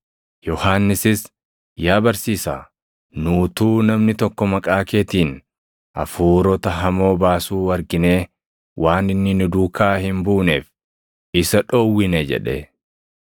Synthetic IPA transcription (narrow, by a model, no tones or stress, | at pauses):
jɔhaːnːɪsɪs | jaːbɐɾsiːsaː | nuːt̪uːnɐmnɪt̪ɔkːɔmɐkʼaːke̞ːt̪iːn | ʔɐ̰fuːɾɔt̪ɐɦɐmo̞ːbaːsuːwɐɾɡɪne̞ː | wʔaːnɪnːɪnɪd̪uːkʰaːhɪmbuːneːf | ɪsɐᶑoːwːɪnɛd͡ʒɛ̰ᶑe